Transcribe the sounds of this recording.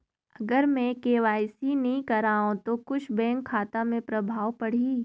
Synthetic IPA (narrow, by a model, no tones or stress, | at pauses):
ɐɡəɾmẽkeːʋaːɪsinɐɦĩkɐɾaːõt̪okʊt͡ʃʰbɛ̃ːŋkʰːaːt̪amẽpɾɐbʱaːʋpɐɽ̤iː